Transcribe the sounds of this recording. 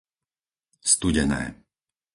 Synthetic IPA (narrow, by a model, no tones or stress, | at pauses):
st̪uɟɛnɛ̰ː